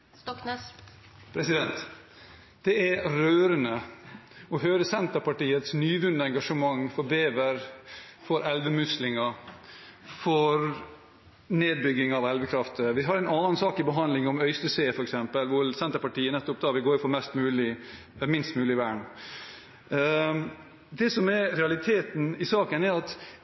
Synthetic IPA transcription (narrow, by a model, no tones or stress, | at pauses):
pʰɾɛsɪd̪ɛnt̪ | d̪̥ɛæɾøːɾənə | ɔɦœːɾəsɛnt̪əɾpɑʈiːət̪snyːʋʉnd̪əɛŋɡɑʂəmɑŋfɔɾbeːʋəɾfɔɾɛlʋəmʉslɪŋɑ | fɔɾ | neːd̪̚bʏɡɪŋɑʋɛlʋəkʰɾɑft̪əʋɪɦɑɾɛɪnɑːnsɑːkɪbəɦɑnlɪŋɔmœʏst̪əseːfɔɾɛksɛmpəlʋʊsɛnt̪əɾpɑʈiːənɛt̪ːɔpd̪ɑːʋɪlɡoːɾɪfɔɾmɛst̪mʉːlɪ | mɪnst̪mʉːlɪʋæːɳ | d̪ɛsɔmɛɾɾɛɑlɪt̪ʰeːt̪n̩ɪsɑːkənɛɾɑt̪